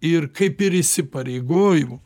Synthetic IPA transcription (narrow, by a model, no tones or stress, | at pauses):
ɪɾkɐɪpɪɾɪsʲɪpɐɾʲɛɪɡoːjʊm